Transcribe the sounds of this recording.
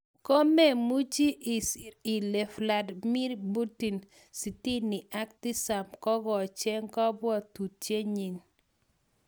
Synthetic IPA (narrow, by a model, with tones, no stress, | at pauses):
ko˦me˦˨mu˦d͡ʒi˦ʔi˨si˨le˨fla˨dmi˦ɾbu˦ti˨n | si˨ti˦nɪ˨ʔa˦k̚ti˦sa˨mkɔ˦ɡɔ˨t͡ʃe˦ŋkɔ˦bwɔ˦tu˨t͡ʃe˦ɲi˨n